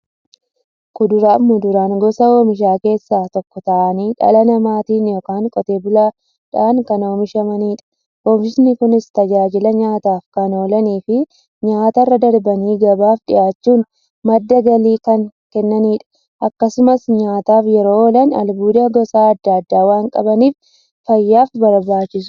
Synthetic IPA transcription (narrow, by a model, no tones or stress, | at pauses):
kʊd̪ʊɾaːmʊd̪ʊɾaːŋɡɔsɐoːmɪʃ̬aːke̞ːsːaːt̪ɔkːɔt̪ɐʔɐniːᶑɐ̰lɐnɐmaːt̪iːnjoːkaːŋkʼɔt̪e̞ːbʊlaː | ᶑaːŋkɐno̞ːmɪʃɐmɐniːᶑɐ̥ | ʔoːmɪʃnɪkʊnɪst̪ɐd͡ʒaːd͡ʒɪlɐɲaːt̪aːfkɐno̞ːlɐniːfɪ | ɲaːt̪ɐrːɐd̪ɐɾbɐniːɡɐbaːfᶑɪ̰ʔaːt͡ʃːuːn | mɐd̪ːɐɡɐliːkɐŋkɛnːɐniːᶑɐ̥ | ʔɐkːɐsʊmɐsɲaːt̪aːfjɛɾoːlɐnɐ̰lbuːd̪ɐɡɔsaːɐd̪ːɐːd̪ːaːwaːŋkʼɐ̰bɐniːf | fɐjːaːfbɐɾbaːt͡ʃːɪs